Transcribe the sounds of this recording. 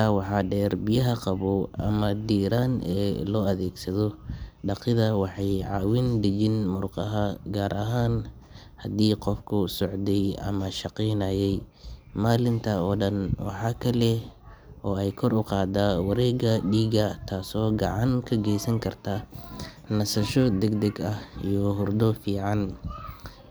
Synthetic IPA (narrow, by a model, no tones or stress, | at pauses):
awɑħɑːɖɛːrbɪjɐɦɐqɑβɔɐ̰mɐd̪iːɾaːnɛ̰ːlɔːɐðɛːɡsɐðɔɖɑqɪðɐwɑħɑjʕɑːwɪnd̪ɐt͡ʃɪnmʊrqɑɦɐɡaːɾʔɐɦaːn | hɐd̪iːqɔfkʰʊsɔʕd̪ɛjʔɐ̰mɐʃɑqiːnɐːjɛj | maːlɪnt̪ʰɐɔːɖɐnwɑ̰ħɑːkʰɐlɛʔɔːɛjkʰɔɾʊqɑːd̪awɑɾɛːɡɐɖiːɡɐt̪ʰaːsɔːɡɑ̰ʕɑŋkʰɐɡɛjsɐŋkʰɐrt̪ʰa | nɐsɐʃɔd̪ɛɡd̪ɛɡɐhijɔɦʊrd̪ɔfiːʕɑn